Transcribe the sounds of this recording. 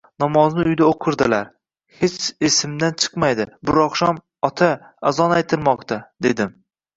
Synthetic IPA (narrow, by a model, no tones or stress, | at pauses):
nɒmɒznɪʊjd̪aoqʰɨɾd̪ɪlaɾ | het͡ʃesɪmd̪ant͡ʃʰɨ̥qmajd̪ɪbʊɾɒχʃam | ɒt̪ʰa | azɒnajt̪ʰɪɾmɒqt̪ʰad̪e̞d̪ɪm